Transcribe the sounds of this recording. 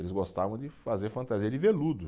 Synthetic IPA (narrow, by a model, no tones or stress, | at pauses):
elɪzɡost̪avɐ̃w̃d͡ʒɪfazeɾfɐ̃nt̪aziɐd͡ʒɪvelud̪ʊ